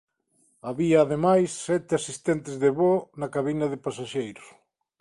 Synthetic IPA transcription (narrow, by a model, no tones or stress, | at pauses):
aβiɐːðemajsːɛt̪ɪasist̪ɛnt̪ɪzðeβonɐkaβinɐðɪpasaʃejɾʊs